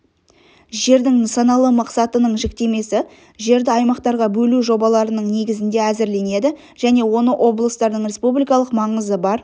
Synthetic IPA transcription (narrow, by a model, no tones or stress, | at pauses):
ʒe̞ɾd̪ɪŋnsɑnɑlˠəmɑqsɑt̪ənəɴʒɪk̚t̪e̞me̞sɪ | ʒe̞ɾd̪ɪɑjmɑqt̪ɑɾʁɑbɵluʒo̞bɑlˠɑɾənəɴne̞ɡʲɪzɪnd̪e̞æzɪɾle̞ne̞d̪ɪ | ʒ̥æne̞wo̞nəʔo̞blˠəst̪ɑɾd̪əɴɾʲe̞spublijkɑlˠəqmɑɴəzəbɑɾ